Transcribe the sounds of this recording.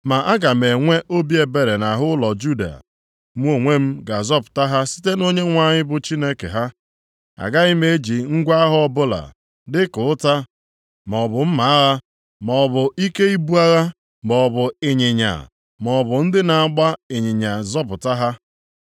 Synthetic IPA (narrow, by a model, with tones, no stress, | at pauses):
ma˨ʔa˦ɡa˨m̩e˨ŋʷe˦ʔo˦bi˦e˨be˨ɾe˨na˨ɦʊ˦lɔ˨d͡ʒu˦da̰˨ | m̩˦o˨ŋʷe˦m̩˦ɡa˨zɔ˦pʊ̥˨ta˦ɦa˦si̥˦te˦no˦ɲe˦ŋʷa˨ɲɪ˦bʊ˨t͡ʃi˦ne˦kḛ˨ɦa˦ | a̰˨ɡa˦ɪ˦me˦d͡ʒi˨ŋ̩˦ɡʷa˦ɦʊ˦ɔ˦bʊ˦la̰˨ | dɪ˦kʊ˨ʊ˦ta˦ | mɔ˨bʊ˨m̩˦ma˨a˦ɣa˦ | mɔ˨bʊ˨i˦ke˦i˦bu˦a˦ɣa˦ | bɔ˨bʊ˨ɪ˨ɲɪ˨ɲa̰˨ | mɔ˨bʊ˨n̩˦dɪ˦na˨a˦ɡ͡ba˦ɪ˨ɲɪ˨ɲa˨zɔ˦pʊ˨ta˦ɦa˦